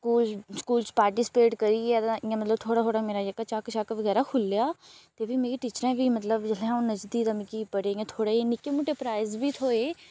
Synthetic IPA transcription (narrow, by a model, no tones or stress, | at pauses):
skuːlskuːlt͡ʃpaːɾʈɪsɪ̥peːʈkəɾiːɛd̪ããmət̪ləbt̪ʰoːɽaːoːɽameːɾad͡ʒəkːat͡ʃaːkʃaːkʋəɡɛːɾakʰʊlːjaːt̪eːbʱiːmeːɡiʈiːt͡ʃəɾɛ̃ːbʱiːmət̪ləbd͡ʒəlɛ̃aũnəd͡ʒd̪iːɾəmkipəɽeãːt̪ʰoːɽaːinɪkːemũʈepɾaːɪzbʱiːt̪ʰoːeː